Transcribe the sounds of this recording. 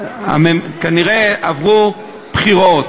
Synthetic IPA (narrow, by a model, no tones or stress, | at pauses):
a̰memkaniʁeavʁu | pχiʁot